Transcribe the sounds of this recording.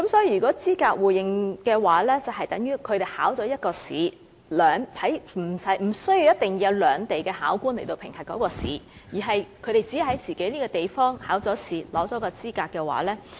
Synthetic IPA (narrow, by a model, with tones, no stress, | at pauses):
kɐ˨˦˥msɔː˨˥ji˧˩yː˨˩kɔː˨˥t͡siː˥kaː˧k̚wuː˨˩jɪ˧ŋkɛː˧waː˨˥lɛː˥t͡sɐ˨wɦɐ˨jt̪ɐ˨˥ŋjyː˥kʰɵ˨˧ɾe˨jhaː˨˥wt͡sɔː˨˥jɐ˥t̚kɔː˧sḭː˨˥ | lœː˨˧ŋhɐ˨˥jm̩˨˩sɐ˨˥jm̩˨˩sɵ˥ɥji˧wjɐ˥t̚t̪ɪ˨ŋ˧ɐ˨˧wlœː˨˧ŋt̪e˨jkɛː˧ha̰ː˨˥wkuː˥nle˨˩jt̪o˧wpʰɪ˨˩ŋhʰɐ˨˩kːɔː˨˥kɔː˧sḭː˨˥jiː˨˩ɦɐ˨jkʰɵ˨˧ɥɾe˨jt͡si˨˥˨hɐ˨˥jt͡siː˨ke˨˥jliː˥kɔː˧t̪e˨jfɔː˥ŋhaː˨˥wt͡sɔː˨˥siː˨˧lɔː˨˥t͡sɔː˨˥kɔː˧t͡siː˥kaː˧k̚ɛː˧wa̰ː˨˥lɛː˥